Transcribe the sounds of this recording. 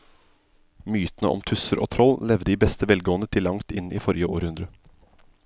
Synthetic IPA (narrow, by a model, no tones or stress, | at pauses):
myːt̪nəʔɔ̰mt̪ʰʉsəɾʔo̰ːt̪ʰɾɔllɛʋd̪əiːbɛst̪əʋɛlɡoːənət̪ʰɪlːɑŋt̪ɪniːfɔɾjəo̰ːɾhʉnd̪ɾə